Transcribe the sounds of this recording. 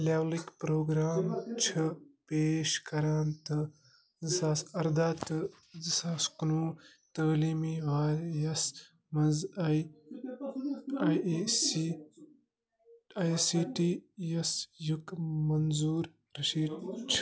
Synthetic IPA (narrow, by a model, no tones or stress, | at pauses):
laːwlikpɾoːɡɾaːmt͡ʃʰɨpeːʃkɐɾaːnt̪ɨ | zisaːsɐɾd̪aːt̪ɨ | zisaːskunuːt̪əːliːmiʋaːɾjɐs | mɐzɐj | ajesi | ɐjsiːʈiːjɐsjukmɐnzuːɾ | ɾɐʃiːdt͡ʃʰ